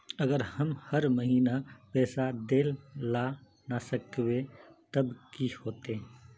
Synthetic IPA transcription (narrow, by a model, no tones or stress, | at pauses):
əɡəɾhəmhəɾməɦiːnapɛːsad̪ella | nasəkbet̪əbkihoːt̪ẽ